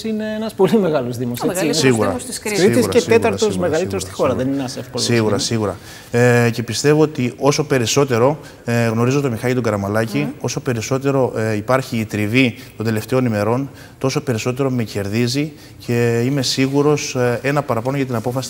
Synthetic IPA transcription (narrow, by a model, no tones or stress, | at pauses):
ine̞enɐspo̞lime̞ɣɐlozðimossiɣɣuɾɾɐsɾiisɾɐese̞t̪ɐɾst̪osme̞ɣɐlit̪eɾost̪i̥xo̞ɾɐðenineɐsefkolosiɣuɾɐsiɣuɾɐ | ce̞pist̪e̞vo̞ot̪iʔo̞so̞pe̞ɾiso̞t̪e̞ɾo̞ | ɣno̞ɾizo̞t̪o̞mixɐʎit̪oɡɐɾɐmɐlɐcio̞so̞pe̞ɾiso̞t̪̬e̞ɾo̞ipɐɾçiːt̪ɾivit̪o̞nd̪ele̞ft̪e̞o̞nime̞ɾo̞n | t̪o̞so̞pe̞ɾiso̞t̪e̞ɾo̞mece̞ɾðizi | ce̞ime̞siɣuɾo̞se̞nɐpɐɾɐpɐnoʝɐt̪̬inɐpo̞fɐsi̥